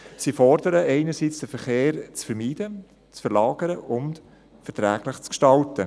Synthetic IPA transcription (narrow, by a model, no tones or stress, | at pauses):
siːfɔrdəɾəʔɛɪnəɾsit͡sd̥əfəɾχeːɾt͡sfəɾmiːdə | t͡sfəɾlɑːɡ̥əɾəʔʊnt | fəɾtɾæːɡlɪχt͡skʃtɑltə